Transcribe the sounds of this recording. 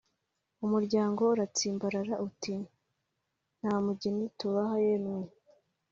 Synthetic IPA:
umuɾɟaːŋɡo̞uɾat͡siːmbaɾaɾaʔuti | n̥haːmuɟinituβaɦajenwi

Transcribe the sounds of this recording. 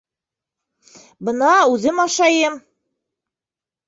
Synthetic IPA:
bɤ̆nɑʉðɘmɑʃɑjɤm

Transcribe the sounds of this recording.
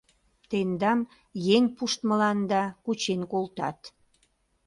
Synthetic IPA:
t̪end̪ɑm | jeŋpuʃt̪mə̆lɑnd̪ɑkut͡ɕenkolt̪ɑ̰t̪

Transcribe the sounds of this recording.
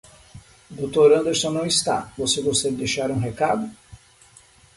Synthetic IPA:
d̪ot̪oɾɐ̃nd̪eɾsõnɐ̃w̃ist̪a̰vosekõsɛɡɪd̪ejʃaɾũɦekad̪ʊ

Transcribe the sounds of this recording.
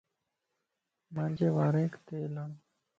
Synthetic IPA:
mãːnd͡ʒeːʋaːɾẽːkt̪eːlaː

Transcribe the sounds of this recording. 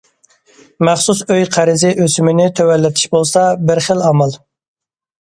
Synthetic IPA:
mæχsusøjqʰæɾɪzɪʔøsymɪnɪt̪ʰøwɛlːɪt̪ʰi̥ʃbolˠsɑbɪɾχəlɑmɑlˠ

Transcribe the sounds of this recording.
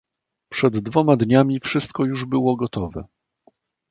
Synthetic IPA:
pʂɛd̪ːvɔmad̪ɲamʲifʂɘst̪̚kɔjuʐbɘwɔɡɔt̪ɔvɛ̰

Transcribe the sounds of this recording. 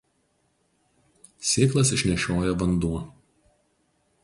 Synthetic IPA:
sʲeːklˠɐs̬ɪʃʲnʲɛʃʲoːjɛʋɐnd̪uɔ

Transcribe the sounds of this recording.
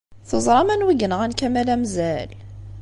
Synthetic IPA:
θozˤɾˤɑmænwiɡənəʁænkæmælæmzæl

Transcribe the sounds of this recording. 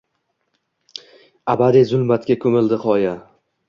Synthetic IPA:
abad̪izʊlmat̪kʲakʰɵmɪld̪ɪqʰɒja

